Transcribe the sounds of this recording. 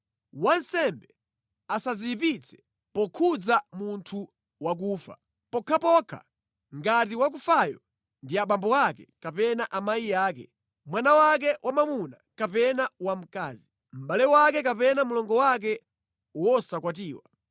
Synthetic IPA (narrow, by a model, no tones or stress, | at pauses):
wansɛmbɛ | asaziipit͡sʰɛ̥ | pɔkʰud͡zamuntʰu | wak̬uːfa̰ | pɔkʰapɔkʰa̰ | ŋɡat̬iwak̬ufajɔ | ndiaɓambɔakɛkapɛnaʔamajijaːkɛ | mwanawak̬ɛwʔamamuna̰kapɛnawam̩kaːzi | m̩ɓalɛwakɛk̬apɛnamulɔŋɡɔwak̬ɛ | wɔsakwat̬iːwa̰